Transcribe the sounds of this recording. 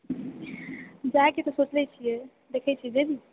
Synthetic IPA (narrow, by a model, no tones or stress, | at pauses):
d͡ʒakit̪ɔsot͡ʃlɛt͡ʃʰijɛ | d̪ekʰɛjt͡ʃʰiɛd͡ʒeb̪i